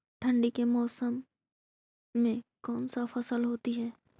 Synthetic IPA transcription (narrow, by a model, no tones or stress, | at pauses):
ʈʰɐ̃ɳɖikemɔːsəm | ẽkɔːnsafɐsəlɦoːt̪iɦɛː